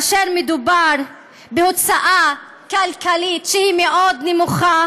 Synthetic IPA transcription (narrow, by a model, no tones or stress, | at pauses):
ʃeɾmed̪ubaɾ | beot͡saʔa | kalkalit̪ʃehimeʔod̪nemuχa